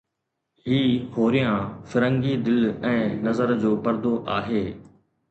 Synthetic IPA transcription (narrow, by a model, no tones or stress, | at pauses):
ɦiːhoːɾɪjãfɪɾə̃ŋɡid̪ɪlɛ̃ːnɐzəɾd͡ʑoːpɐɾd̪oʔaːɦeː